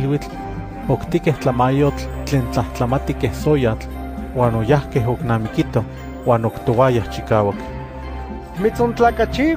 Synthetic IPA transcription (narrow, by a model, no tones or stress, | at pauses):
lwit͡ɬ | okt̪ikeht͡ɬamajot͡ɬt͡ɬeːnt͡ɬaht͡ɬamat̪ikehsojat͡ɬ | waːnojahkeɦoknaːmikit̪o | waːnokt̪owajaht͡ʃikaːwak̪ | mit͡sont͡ɬaːkat͡ʃi